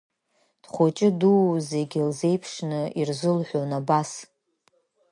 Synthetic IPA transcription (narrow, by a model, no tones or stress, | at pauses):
d̥χʷot͡ʃʼɪduze̞ɡʲilze̞jpʰʂnɨirzɨlħʷᶣonabas